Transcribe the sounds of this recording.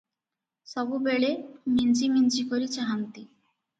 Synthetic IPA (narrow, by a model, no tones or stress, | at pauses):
sɔbubeɭemint͡ɕimind͡ʑikoɾit͡ɕaɦant̪i